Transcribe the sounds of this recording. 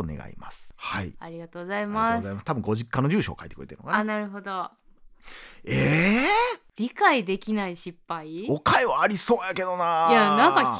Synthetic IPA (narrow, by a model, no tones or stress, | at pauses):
one̞̰ɡa̰ḭmasɨ̥haḭaɾʲiɡat̪oːɡzaimaszaimasɨ̥t̪abɯ̟̃ŋɡo̞ʑikːano̞ʑɨːɕo̞̰ːkait̪ekɯ̟ɾet̪ḛːnokaanaɾɯ̟ɦo̞d̪o̞ | e | ɾʲikaid̪e̞kʲinaiɕipːaiokaeβaːɾʲiso̞ːjake̞d̪o̞najanãŋka